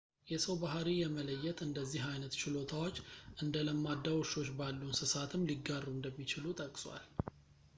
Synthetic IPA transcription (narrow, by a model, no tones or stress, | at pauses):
jɛsəwbaɦɾijɛmələjːɛt̪ɨnd̪əzːiɦajnət̪t͡ʃɪlo̞t̪ʰawo̞t͡ʃːʔɨnd̪ələmːad̪ːawɔʃo̞t͡ʃːbalːunsɨsat̪ʰɨmːliɡːarːund̪əmːit͡ʃɪlut̪ʼəkʼsʼwa̰l